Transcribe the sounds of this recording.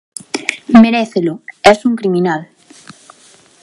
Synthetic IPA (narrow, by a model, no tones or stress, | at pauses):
meɾeθelʊɛsuŋkɾimĩnal